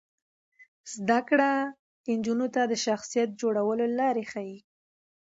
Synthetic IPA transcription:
z̥d̪akɽa | ɪnd͡ʒunot̪ad̪əʃaxsijat̪̚d͡ʒoɽawəlolɑɾexaji

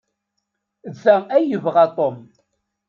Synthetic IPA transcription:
zːææjəvʁat̪ˤom

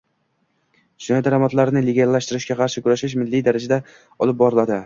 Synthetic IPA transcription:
d͡ʒɪnɒjd̪aɾamat̪laɾɪnɪleɡʲalːaʃt̪ɪɾɪʃɡʲaqʰɑɾʃɪkʊɾaʃɪʃ̬mɪlːijd̪aɾad͡ʒad̪a | ɒlˠɪp̚bɒɾɪlad̪ɪ

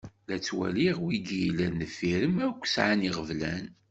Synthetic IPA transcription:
læt͡sːwæ̰liʁwiɡilænəfiɾəmækʷːsʕaniʁəvlæ̰n

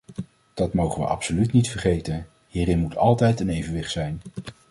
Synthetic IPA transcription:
d̥ɑtmowχənʋə̰ʔɑ̰psolytnitfəɹχejtən | hiːɾɪnmutʰɑlˠtɛjtənejvənʋɪχtsɛjn

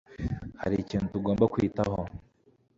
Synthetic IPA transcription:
ha̰ɾiciːnutuɡoːmbakwitaho

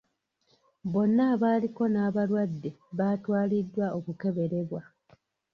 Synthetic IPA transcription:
bo̞nːaːβaːliko̞naːβalwadːe̞βaːtwaːlidːwaʔokuke̞βe̞ɾe̞βwa

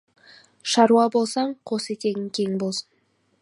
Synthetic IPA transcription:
ʃɑɾuɑbo̞lˠsɑɴqʰo̞se̞t̪e̞ɡʲɪŋkʲʰe̞ŋbo̞lˠsən

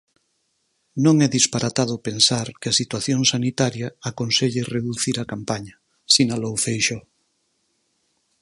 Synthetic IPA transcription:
nõŋɛðispaɾat̪að̞opensaɾkɪɐsit̪waθjoŋsanit̪aɾjɐakonseʎɪreðuθiɾakampaɲɐ | sinalowfejʃo

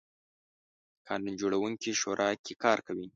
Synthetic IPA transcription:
kʰɑnund͡ʒoɽawuŋkiʃoɾʔɑkekɑɾkawi

